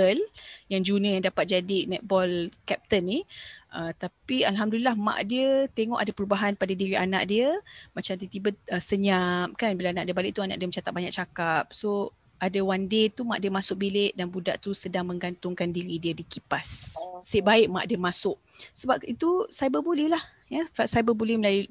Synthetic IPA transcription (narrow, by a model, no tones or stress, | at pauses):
əljaŋd͡ʒunə̃jaŋdapat̪̚d͡ʒadinɛt̪̚bɔlkɛp̚t̪ənːiʔət̪apialɦamdulilahmã̰ʔdiət̪eŋɔ̰ʔadapəɾubaɦanpadadiɾiana̰ʔdiəmat͡ʃamt̪iət̪ibəəsəɲam̚kanbilaanaʔdiəbalɪʔ̚t̪uanaʔdiəmət͡ʃat̪aʔ̚baɲak̚t͡ʃakap̚so | adawandet̪umaʔdiəmasʊk̚bileʔdanbuda̰ʔt̪usədaŋmə̃ŋɡant̪ʊŋkandiɾidiədikipasːeʔbaɪʔ̚ma̰ʔdiəmasʊʔ | səbap̚it̪usajbəbolɛhlah | jəfasajbəbolɛhməlaju